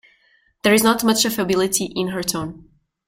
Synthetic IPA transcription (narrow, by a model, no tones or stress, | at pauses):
ðəɹɪznɔtmʌt͡ʃɨfəbɪlˠɪtʰiʔɪ̃nɦə˞tʰõʊ̃n